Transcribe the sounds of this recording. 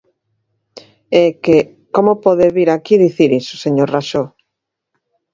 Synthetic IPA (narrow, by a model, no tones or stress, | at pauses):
eke | komopɔðeβiɾakiðiθiɾiso̥seɲoɾraʃo